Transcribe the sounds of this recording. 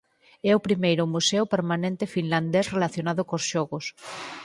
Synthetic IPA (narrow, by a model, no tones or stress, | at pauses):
ɛʊpɾimejɾʊmuseʊpeɾmanẽnt̪efinland̪esrelaθjonaðʊkosʃɔɣos